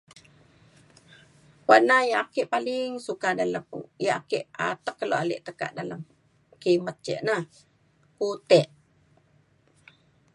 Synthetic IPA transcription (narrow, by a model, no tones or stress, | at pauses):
wanajaʔakeʔpaliŋsukadaləjaʔakeʔa̰t̪əkːəloʔalɛ̰ʔt̪əka̰ʔdaləm | kimət̪̚t͡ʃɛ̰ʔna | kut̪ɛʔ